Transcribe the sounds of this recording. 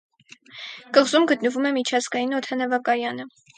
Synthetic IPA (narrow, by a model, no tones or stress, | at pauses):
kəʁzumɡət̪nəvumɛmit͡ʃʰɑzɡɑjinɔt̪ʰɑnɑvɑkɑjɑnə